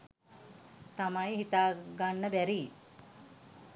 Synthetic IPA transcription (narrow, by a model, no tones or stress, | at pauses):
t̪ɐmajɦit̪aːɡaɳːəbɛɾiː